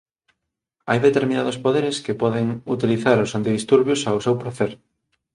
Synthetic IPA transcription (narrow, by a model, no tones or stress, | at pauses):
ajðet̪eɾmĩnað̞ospoðeɾeskepɔðeŋut̪iliθaɾʊsant̪iðist̪uɾβjosawsewpɾaθeɾ